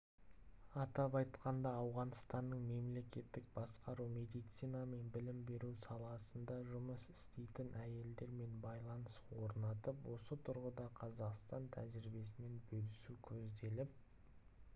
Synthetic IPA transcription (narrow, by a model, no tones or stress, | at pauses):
ɑt̪ɑpɑjt̪qɑnd̪ɑːwʁɑnəst̪ɑnːəɴme̞mle̞kʲe̞t̪ːɪk̚bɑsqɑɾume̞d̪ijt̪sijnɑme̞nbɪlɪmbe̞ɾusɑlˠɑsənd̪ɑʒʊməsɪ̥st̪e̞jt̪ɪnʔæje̞ld̪e̞ɾme̞nbɑjlˠɑnəswo̞ɾnɑt̪əpwo̞sət̪ʰʊɾʁəd̪ɑqʰɑzɑqst̪ɑnt̪ʰæ̰ʒɪɾbe̞s̬ɪme̞nbɵlɪsukʲʰɵzd̪e̞lɪp̚